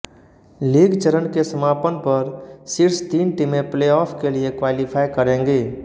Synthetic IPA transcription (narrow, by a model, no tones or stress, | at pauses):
liːɡt͡ʃəɾənkesəmaːpənpəɾsɪɾst̪iːnʈɪmẽpleːɔːpʰkeliekwaːlipʰaːjkəɾẽːŋɡeː